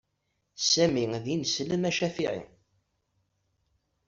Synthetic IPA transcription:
sæmiŋðinsləmæʃæfiʕḭ

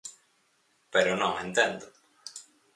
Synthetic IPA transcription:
peɾonõẽnt̪end̪o

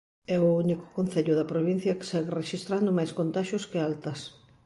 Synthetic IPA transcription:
ɛʊunikʊ̥kon̟θɛʎʊðɐpɾoβin̟θjɐkɪ̥sɛɣereʃist̪ɾand̪ʊmajskont̪aʃjʊskɪalt̪ɐs

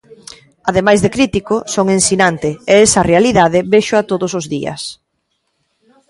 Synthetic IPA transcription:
aðemajzðekɾit̪ikosoŋensinant̪ɪeɛsɐrealiðaðɪβeʃʊat̪oðʊsʊzðiɐ̰s

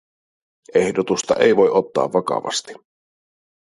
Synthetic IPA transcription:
ʔe̞hdot̪ust̪ɑ̰ʔejʋo̞jʔo̞t̪ːɑ̰ːʋːɑkɑ̰ʋɑ̰st̪i̥

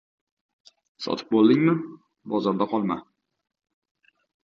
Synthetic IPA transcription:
sɒ̰t̪ʰɪ̥p̚bolˠd̪ɪŋmɪ | bɒzɒɾd̪aqʰɒlˠma

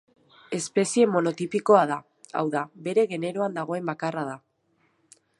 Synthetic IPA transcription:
e̞spe̞sie̞mo̞no̞t̪ipiko̞aða | a̰wðaβe̞ɾe̞ɣe̞ne̞ɾoand̪aɣ̞o̞e̞mbakaraða

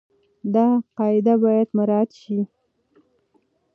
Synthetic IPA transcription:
d̪ɑqɑɪd̪abɑjad̪maɾɑt̪ʃi

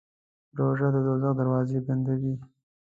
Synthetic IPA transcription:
ɾoʒad̪əd̪ozaɣd̪aɾwɑzeband̪awi

